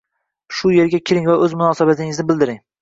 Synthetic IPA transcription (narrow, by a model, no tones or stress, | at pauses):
ʃʊje̞ɾɡʲakʲʰɪɾɪŋvaʔɵzmʊnɒːsabat̪ʰɪŋɪznɪbɪld̪ɪɾɪŋ